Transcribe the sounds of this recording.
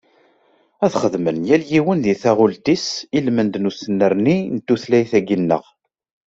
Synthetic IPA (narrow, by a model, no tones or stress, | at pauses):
æθχəðmənjæljiwənðiθæʁʊlt̪isilmənd̪nusənːəɾninət̪ːuθlæjθæɡinːə̰ʁ